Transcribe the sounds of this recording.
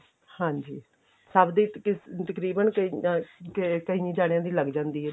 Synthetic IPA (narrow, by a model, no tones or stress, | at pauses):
hãːɲd͡ʒiː | səbd̪iːkɪt̪əkɾiːbənkəikkəĩĩːd͡ʒaːɽ̃ẽãːd̪iːləɡd͡ʒãːnd̪iːɛː